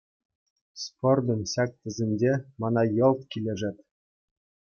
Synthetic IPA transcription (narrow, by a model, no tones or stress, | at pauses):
spord̪ɤ̆nɕɑk̚t̪ʲɘ̆zʲĕnʲd͡ʑʲemɑnɑjɤ̆lˠt̪kʲilʲeʐɘ̆t̪ʲ